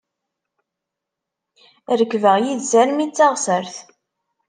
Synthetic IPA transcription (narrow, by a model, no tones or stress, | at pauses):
ɾəkːvəʁjiðzæɾmit͡sːaʁsəɾθ